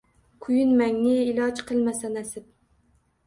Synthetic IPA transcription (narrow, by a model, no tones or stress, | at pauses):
kʰʊjɪnmæŋnɪːlˠɑd͡ʒqʰɨlˠmasanæsɪp̚